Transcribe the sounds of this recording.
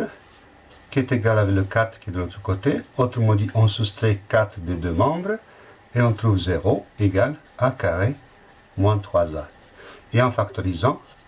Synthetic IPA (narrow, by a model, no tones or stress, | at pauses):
kʲiɛt̪eɡalavɛkləkat̪χkʲiɛd̪ənɔt̪ɾəkot̪eot̪ɾəmɑ̃d̪iʔɔ̃sust̪ʁekat̪χd̪ed̪ømɑ̃bʁ | eɔ̃t̪ʁuvzeʁoeɡal | akaʁe | mwɛ̃t̪χwazã | eɑ̃fakt̪oʁizɑ̃